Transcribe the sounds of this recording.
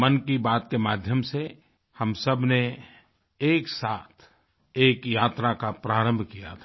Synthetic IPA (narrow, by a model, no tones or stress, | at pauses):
mənkibaːt̪̚kemaːd̪ʱjəmse | həmsɐbʱne | eːksaːt̪ʰ | eːkjaːt̪ɾakapɾaːɾə̃mbʱkija̰t̪ʰː